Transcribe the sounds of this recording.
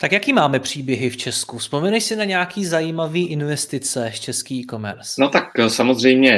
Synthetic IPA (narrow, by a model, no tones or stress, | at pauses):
t̪akjakiːmaːmɛpr̝̥iːbjɛɦɪft͡ʃɛskuspomɛnɛʃsɪnaɲɛakiːzajiːmaviːʔɪnvɛst̪ɪt͡sɛt͡ʃɛskiːko̞mɛ̰ɾsnot̪aksamozr̝ɛjmɲɛ